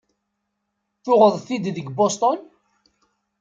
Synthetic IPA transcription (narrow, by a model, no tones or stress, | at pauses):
θʊʁəðˤθid̪ðəɡbost̪ɔn